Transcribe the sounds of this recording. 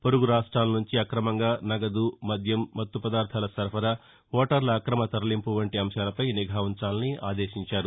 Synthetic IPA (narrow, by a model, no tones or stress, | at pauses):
poɾuɡuɾaːʂʈɾaːlɐnuɲt͡ʃiɐkɾɐmɐŋɡaːnɐɡɐd̪umɐd̪ʱjɐmːɐt̪ːupɐd̪aːɾt̪ʰaːlɐsɐɾpɐɾɐ | ʋɔːʈɐɾlɐːkɾɐmɐt̪ɐɾɐlimpuʋɐɳʈiɐmʃaːlɐpɐjniɡʱaːʋunt͡ʃaːlɐniʔa̰ːd̪eːʃiɲt͡ʃaːɾu